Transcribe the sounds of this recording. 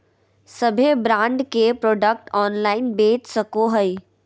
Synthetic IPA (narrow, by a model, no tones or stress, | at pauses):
səbʱebɾãːɳɖkepɾoːɖək̚ʈɔːnlaːɪnbeːt͡ʃsəkoɦəi